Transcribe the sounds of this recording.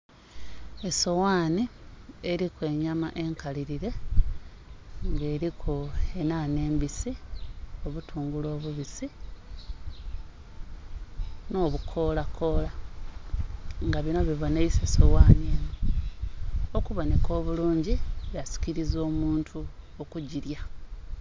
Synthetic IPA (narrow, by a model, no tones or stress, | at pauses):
e̞so̞waːnieɾikwe̞ɲama̰ʔe̞ŋkaliɾiɾe̞ | ŋɡe̞ːɾikʰoe̞nane̞ːmbisio̞βutʰuːŋɡulo̞ːβuβisi | no̞ːβukʰo̞ːlakʰo̞ːla | ŋɡaβino̞βiβo̞neisesowaːneːno | okuβo̞ne̞ko̞ːβuluːɲɟiβjasi̥ciɾizo̞ːmuːntʰu | okuɟiɾja